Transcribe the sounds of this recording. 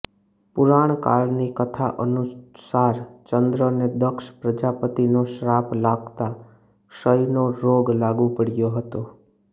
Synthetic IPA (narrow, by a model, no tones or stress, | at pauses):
pʊɾaɳ̃ka̰lnikət̪ʰaʔənusaɾt͡ʃənd̪ɾəned̪əkʃpɾəd͡ʒapət̪inoʃɾaplaɡt̪a | ʃəjnoɾoɡlaɡupəɽjoɦət̪o